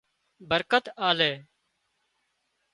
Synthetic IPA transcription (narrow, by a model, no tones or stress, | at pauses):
bəɾkət̪aːleː